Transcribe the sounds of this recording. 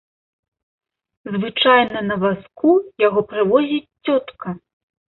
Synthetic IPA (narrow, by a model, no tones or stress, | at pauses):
zvɨt͡ʂajnɐnɐvaskujaɣɔpɾɨvɔzʲit͡sʲt͡sʲɔt̪kʰɐ